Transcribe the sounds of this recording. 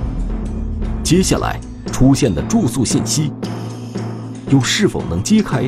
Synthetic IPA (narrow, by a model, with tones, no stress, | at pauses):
t͡ɕjɛ˥ɕja̰˥˩lʔa̰˧˥ɪ | ʈ͡ʂʰu˥ɕjɛ˥˩nd̪ə˩ʈ͡ʂu˥˧su˥˧ɕi˥˩nɕi˥ | jo˥˧ʊʂɻ̩˥˩fo̰˨˩ʊnɤ˧˥ŋt͡ɕi˥kʰa˥ɪ